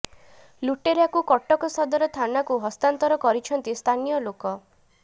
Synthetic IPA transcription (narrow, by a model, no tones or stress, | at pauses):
luʈeɾeakukɔʈɔkɔsɔd̪ɔɾɔt̪ʰanakuɦɔst̪ant̪ɔɾɔkɔɾit͡ʃʰɔnt̪ist̪ʰanijɔlokɔ